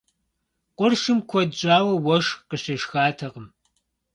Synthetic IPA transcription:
qʷʊrʂɨmkʷʰɔdd͡ʒʼaːwɐwɔʂqəɕɐʃxaːtʰɐʁəm

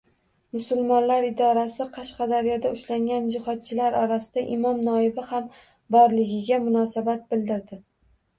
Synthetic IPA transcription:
mʊsʊlˠmɒnlaɾɪd̪ɒɾasɪqʰɑʃqɑd̪aɾjɒd̪aʊʃlaŋɡʲand͡ʒɪhɒt̪̚t͡ʃʰɪlaɾɒɾasɪd̪aʔɪmɒmnɒɪbɪham | bɒɾlɪɡʲɪɡʲamʊnɒsabat̪̚bɪld̪ɪɾd̪ɪ

